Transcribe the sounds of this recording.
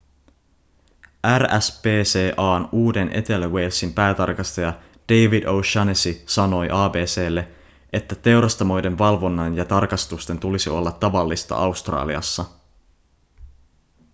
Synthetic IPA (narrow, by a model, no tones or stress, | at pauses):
ʔæræspe̞ːseːʔɑːnuːde̞nʔe̞̰t̪e̞læwe̞jlsimpæːt̪ɑ̰rkɑst̪ɑjɑ | d̥e̞jʋidowʃɑnesisɑno̞jʔɑːbe̞ːse̞ːlːe̞ | et̪ːæt̪e̞wɾɑst̪ɑmo̞jde̞nʋɑlʋo̞nːɑnjɑt̪ɑrkɑst̪ust̪e̞nt̪ulisio̞lːɑt̪ːɑʋɑlːist̪ɑ̰ʔɑwst̪rɑ̰ːlḭɑ̰sːɑ